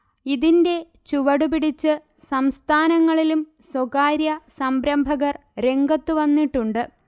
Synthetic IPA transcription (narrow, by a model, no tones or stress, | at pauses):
iðinde̞ | t͡ɕuʋɐɽupiɽit͡ɕːɨ | sɐmst̪ʰaːnɐŋːɐɭilumswokaːɾjɐsɐmbɾɐmbʱɐɣɐr | ɾe̞ŋɡɐt̪ːuʋɐnːiʈːuɳɖɨ